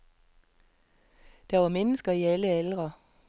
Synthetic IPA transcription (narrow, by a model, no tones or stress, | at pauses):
d̪̥æːʋɑːmɛnəsɡ̥ɐiːæləɛlʁə